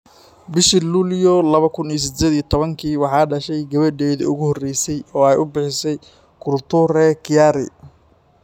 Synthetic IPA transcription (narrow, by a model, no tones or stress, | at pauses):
bɪʃiluːljɔlɐβɐkʰʊniːs̬ɪd̪ɛːd̪ijɔt̪ʰɔβɐŋkʰiːwɑħɑːɖɐʃɛjɡɐβɐɖɛːðɐ̰ʊɣʊhɔrɛjsɛjɔːɛjʊbɪħɪsɛj | kʰʊrt̪ʰʊrɛkʰɪjaɾɪ̰